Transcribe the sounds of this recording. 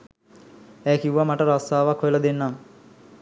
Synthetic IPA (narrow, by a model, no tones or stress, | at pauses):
æjkiwʋamaʈəɾast̪aːʋakʰːojləd̪enːam